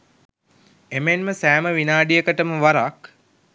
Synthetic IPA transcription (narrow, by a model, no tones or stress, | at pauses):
emenməsæːməʋinaːɖijəkəʈəməʋaɾak